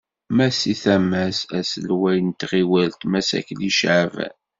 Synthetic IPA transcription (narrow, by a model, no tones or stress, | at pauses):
mæsiθæmæsæsəlwæjənt̪ʁiwælt̪mæsæ̰kːliʃʕavæ̰